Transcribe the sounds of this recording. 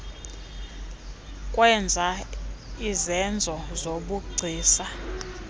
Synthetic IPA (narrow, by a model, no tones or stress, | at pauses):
kʼwɛnd͡zʱa | izɛnd͡zʱɔzoɓuɡ͡ǀʱiːsa